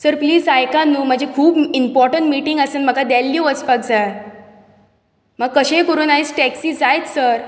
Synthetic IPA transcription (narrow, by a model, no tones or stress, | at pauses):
səɾpliːd͡zajkãnːuːm̤əd͡ʑʱekʰuːbimpɔɾʈəɳʈmiʈiŋɡəsenm̤əɡad̪ɛlːjuʋət͡spaɡ̚d͡za | məɡ̚kːəɕẽkəɾuːnaɦit͡sʈɛksiːd͡zajt̪səɾ